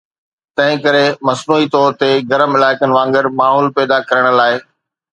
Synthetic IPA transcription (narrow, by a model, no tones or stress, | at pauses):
t̪ɐ̃ɦɪ̃kɐɾemɐsnuːɦit̪ɔːɾt̪eɡɐɾəmɪlaːɪkənɪ̆ʋãːŋɡɪɾmaːɦɔːlpɛːd̪akɐɾəɽ̃̆laːɪ